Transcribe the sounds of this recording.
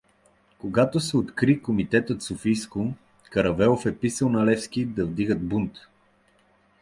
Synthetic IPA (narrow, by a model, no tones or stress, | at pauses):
koɡat̪osɛot̪kɾikomit̪ɛt̪ət̪sofijskʊ | kɐɾɐvɛlˠofɛpisəlˠnɐlɛfsk̟id̪ɐvd̪iɡəd̪̚bunt̪